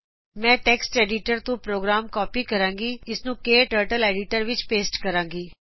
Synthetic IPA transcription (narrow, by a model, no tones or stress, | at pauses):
mɛ̃ːʈɛːksʈɛːɖɪʈəɾt̪õːpɾoːɡɾaːmkɔːpiːkəɾãːŋɡiːɪsnũːkeːʈəːɾʈəlɛːɖɪʈəɾʋɪt͡ʃpeːsʈkəɾãːŋɡiː